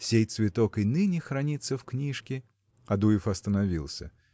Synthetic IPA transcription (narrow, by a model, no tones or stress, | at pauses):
sʲejt̪svʲɪt̪okɨnɨnʲɪxɾɐnʲit̪sːəfknʲiʂkʲɪ | ɐd̪ujɪfɐst̪ənɐvʲilˠsʲə̰